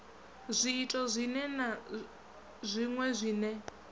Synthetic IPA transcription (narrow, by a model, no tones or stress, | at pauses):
zʷiːtʼɔzʷinɛna | zʷiŋwɛzʷiːnɛ